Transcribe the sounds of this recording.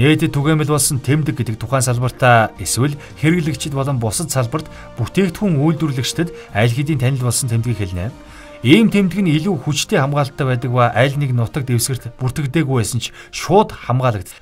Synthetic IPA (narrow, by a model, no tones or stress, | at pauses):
neːt̪ɘ̆t̪ʰːuɣeːmʲɘ̆ɮpɔɮsə̆nt̪ʰemt̪ɘ̆k̚ɡet̪ɘ̆k̚t̪ʰʊχæːnsaɮpə̆r̥t̪ʰaːeswɘ̆ɮ | xeɾɘ̆ɣɮɘ̆kt͡ɕʰɪ̆t̪pɔɮɞ̆mpʊsə̆t̪saɮpə̆r̥t̪ | puxt̪ʰeːkt̪xuŋujɮt̪wŭrɮɘ̆kt͡ɕt̪ʰɘ̆t̪ | æɮxit̪iːnt̪ʰænʲɪ̆ɮpɔɮsə̆nt̪ʰemt̪ɡiːkxeɮnḛː | iːmt̪ʰemt̪ɘ̆ɡɘ̆niɮuːxut͡ɕt̪ʰeːχamɢaːɮt̪ːæːpæːt̪ə̆k̚paʔæɮʲneknʊt̪ə̆k̚t̪ewsɘ̆r̥t̪pur̥t̪ɘ̆kt̪eːɣujpæːsə̆nt͡ɕʰ | ʃʊːt̪χamɢaːɮə̆k̚t̪